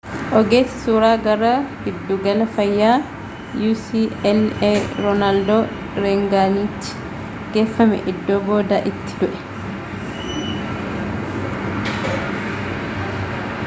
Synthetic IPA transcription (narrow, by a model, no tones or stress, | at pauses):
ʔɔɡeːsɪ̥suːɾaːɡɐɾaɡɪd̪ːuɡɐlɐfɐjːaː | juːsiɛlɛɾɔnald̪ɔ | ɾɛŋɡaːniːt͡ʃːɪ̥ | ɡ̥eːfːɐmɛ̰ʔɪd̪ːɔːboːd̪aʔɪt̪ːɪ̥d̪ʊʔɛ̥